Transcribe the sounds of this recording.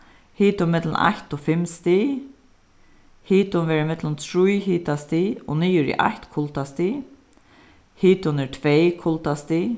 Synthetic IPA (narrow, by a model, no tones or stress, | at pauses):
hiːt̪ʊmɪt̪lna̰ht̪ɔfɪmst̪i | hiːt̪ʊnvɛːɾɪmɪt̪lʊnt̪ʰɾujɦiːt̪ast̪iɔ̰niːjʏɾɪ̰ʔa̰ht̪kʰʊlt̪ast̪i | hiːt̪ʊnɛɹt̪ʰvɛjkʰʊlt̪ast̪i